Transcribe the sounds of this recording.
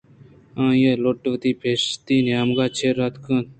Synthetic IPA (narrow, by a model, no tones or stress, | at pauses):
ãːjeloʈʋət̪iːpʰeːst̪iːnjaːmɡaːt͡ʃʰeːɾaːt̪kʰə̃ːn